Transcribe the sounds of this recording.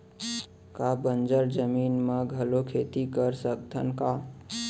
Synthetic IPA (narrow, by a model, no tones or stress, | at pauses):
kabənd͡ʒəɾd͡ʒəmiːnmeɡʱəlokʰet̪ikəɾsəkt̪ʰənka